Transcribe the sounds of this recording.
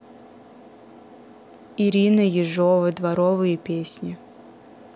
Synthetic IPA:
iɾʲinəjɪʐovəd̪vɐɾɔvɨjəpʲesʲnʲɪ

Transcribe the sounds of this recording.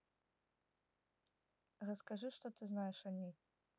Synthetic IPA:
rɐskaʐɨʂt̪ot̪ɨznajɛʂanʲe

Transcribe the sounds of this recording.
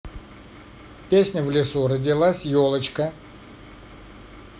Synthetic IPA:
pʲesʲnʲəvlʲɪsurədʲɪlˠasʲjolˠət͡ɕkə

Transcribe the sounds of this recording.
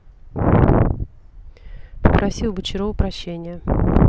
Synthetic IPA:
pəpɾɐsʲilˠbɨt͡ɕɪɾovʊpɾɐɕːenʲɪjə

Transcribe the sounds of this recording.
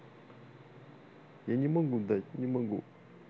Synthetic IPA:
jaɲiməŋɡud̪aɲiməŋɡṵ

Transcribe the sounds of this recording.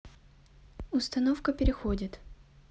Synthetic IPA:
ʊst̪ɐnofkəpʲɪɾʲɪxodʲɪt̪

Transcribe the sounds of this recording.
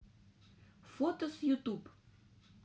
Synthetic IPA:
fot̪osjut̪up

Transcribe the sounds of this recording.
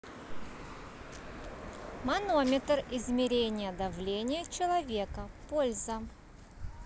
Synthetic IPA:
mɐno̞mʲɪt̪rɪzmʲɪɾʲenʲɪjəd̪ɐvlʲenʲɪjət͡ɕɪlˠɐvʲe̞kəpolʲzə

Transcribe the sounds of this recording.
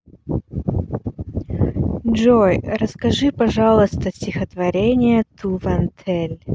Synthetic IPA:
ʐojrəskɐʐɨpɐʐɑlˠəst̪əsʲtʲɪxət̪vɐɾʲenʲɪjət̪ʰuvɐnt̪ʰɛlʲ

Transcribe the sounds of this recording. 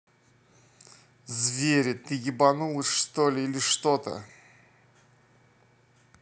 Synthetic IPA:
zvʲeɾʲɪt̪ɨɡʲɪbanulˠɨʂt̪olʲɪilʲɪʂt̪o̞t̪ə̰

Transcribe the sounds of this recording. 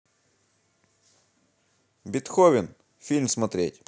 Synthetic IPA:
bʲɪt̪xovʲɪn | fʲilʲmsmɐt̪ɾʲetʲ

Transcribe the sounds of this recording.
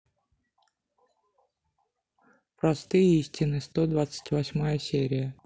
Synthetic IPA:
pɾɐst̪ɨjəisʲtʲɪnɨst̪o̞d̪vat̪sɨ̥tʲvɐsʲmajəsʲeɾʲɪjə

